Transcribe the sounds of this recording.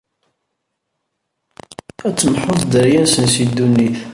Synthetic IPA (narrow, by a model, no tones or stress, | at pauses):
æt͡sːəmħʊθd̪əɾjæsənsid̪ːunːiθ